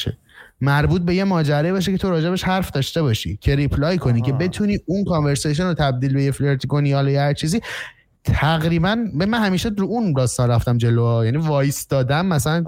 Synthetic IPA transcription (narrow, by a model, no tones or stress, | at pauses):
ḛ | mæɾbuːt̪̚be̞je̞mɒːd͡ʒæɾɒːjibɒʃ̬ecʰet̪o̞ɾɒːd͡ʒe̞beʃhæɾfd̪ɒːʃt̪e̞bɒːʃḭcʰe̞ɾipʰlɒjkʰo̞niːcʰe̞be̞t̪ʰuniːunkʰonve̞ɾsejʃ̬onot̪ʰæb̚d̪iːlbe̞jefleɾt̪ʰiɡoniɒlɒjehæɾt͡ʃʰiːziː | t̪ʰæɣɾiːbænmæmænhæmiːʃeɾuund̪ɒːst̪ɒnɾæft̪æmd͡ʒe̞loɒjænivɒːjst̪ɒːd̪ænmːæsælæn